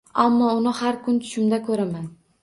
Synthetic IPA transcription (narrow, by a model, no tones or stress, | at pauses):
amːɒʊnɪhaɾkʰʊnt̪ʰʊ̥ʃɪmd̪akʰɵɾaman